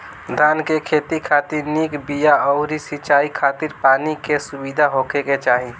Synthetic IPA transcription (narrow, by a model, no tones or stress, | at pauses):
d̪ʱaːnkekʰeːt̪ikʰaːt̪ɪɾniːkbijaɔʊɾisit͡ʃaːikʰaːt̪ɪɾpaːnikesʊbid̪ʱaɦoːkeket͡ʃaːɦi